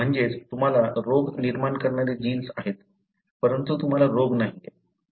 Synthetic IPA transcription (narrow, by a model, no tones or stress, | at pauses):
m̤əɳd͡zet͡st̪um̤alaɾoɡniɾmankəɾɳaɾed͡ʑiːnsaɦet̪ | pəɾənt̪ut̪um̤alaɾoɡnaɦi